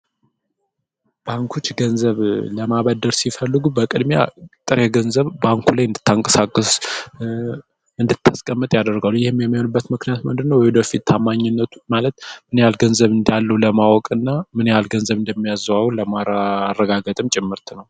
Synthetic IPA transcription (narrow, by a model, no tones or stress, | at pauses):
b̥aŋkʰut͡ʃːɡənzəβləmaβəd̪ːəɾsifəlːɨɡubəkʼɨd̪mja̰t̪ʼɨɾeɡənzəβbaŋkʰulajɨnd̪ɨt̪ːaŋkʼə̥sakʼːɨs | ɨnd̪ɨt̪ːaskʼəmːɨt̪ʼjad̪əɾɡalːujɪhɪmːjɛmːihonubːət̪mɨknijat̪mɨnd̪ɨnːəwjbəfit̪ːʰamːaɲːɪnːət̪ʰu̥malət̪mɨnjalɡənzəβɨnd̪alːəwuləmawɔkʼɨnːamɨnjalɡənzəβɨnd̪əmːijazwawləmaɾrːəɡaɡət̪ʼɨmt͡ʃʼɪmːɨɾt̪ʰnəw